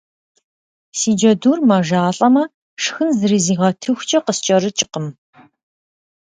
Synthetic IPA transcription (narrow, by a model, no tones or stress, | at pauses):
siːd͡ʒɐduːrmɐʒaːɬʼɐmɐ | ʂxɨnzɨɾiziːʁɐtʰɨxʷt͡ʃʼɐqəst͡ʃʼɐɾɨt͡ʃʼɪ̥qəm